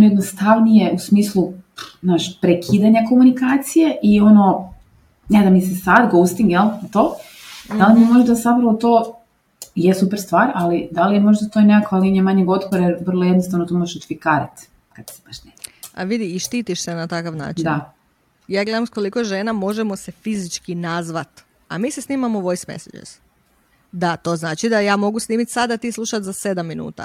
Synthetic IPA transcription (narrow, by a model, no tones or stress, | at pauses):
onojed̪nost̪aʋnijeusmiːslˠuznaːʃpɾekʰiːd̪aɲako̞munikaːt̪sije̞ʔio̞no | ned̪amisesad̪ɡost̪iŋɡjelˠt̪oː | d̪alimimo̞ʒd̪azapɾaʋot̪o̞ː | jesupeɾst̪ʋaːɾalid̪alijemo̞ʒd̪at̪oeneakaliiɲemaɲeɡo̞t̪koɾajeɾʋərlˠojed̪nost̪aʋnot̪omo̞ʒeʃut̪ifikaːɾat̪ | kad̪se̥paʃnea̰ʋid̪iːʃt̪iːt̪iʃsenat̪akaʋna̰ːt͡ʃid̪a | jaːɡle̞d̪amsko̞likoʒenamo̞ʒemo̞se̞fizit͡ʃkinazʋat̪ | a̰miːsesniːmamoʋo̞jsmḛsad͡ʒḛɾs | d̪at̪o̞ːznaːt͡ʃid̪ajaːmo̞ɡusniːmit̪ʲsad̪at̪iːslˠuʃat̪zase̞d̪amːinṵːt̪a̰